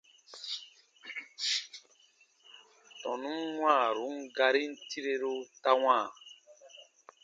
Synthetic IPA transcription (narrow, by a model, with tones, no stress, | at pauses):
tɔ̃˨nũ˦mwãː˦˨ɾu˨˦ŋɡa˧ɾi˦n̩˦ti˦ɾe˦ɾo˦ta˦wãː˦˨